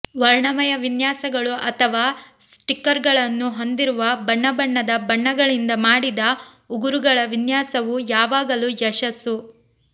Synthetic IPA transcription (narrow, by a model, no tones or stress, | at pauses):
ʋɐɾɳɐmɐjɐʋinjaːsɐɡɐɭuʔɐt̪ʰɐʋaː | sʈikːɐɾɡɐɭɐnːuɦo̞nd̪iɾuʋɐbɐɳːɐbɐɳːɐd̪ɐbɐɳːɐɡɐɭind̪ɐmaːɽid̪ɐ | uɡuɾuɡɐɭɐʋinjaːsɐʋujaːʋaːɡɐlujɐʃɐsu